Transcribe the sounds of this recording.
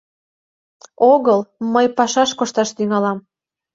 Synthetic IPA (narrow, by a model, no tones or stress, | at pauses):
oɣəlməjpɑʃɑʃkoʃt̪ɑʃt̪yŋɑlɑm